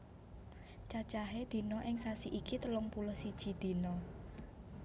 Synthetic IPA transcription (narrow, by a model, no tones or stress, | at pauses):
t͡ʃat͡ʃaɦed̪̥i̤nɔʔɪŋsasiʔikit̪əlʊŋpulʊhsid̥ʒ̥i̤d̪̥i̤nɔ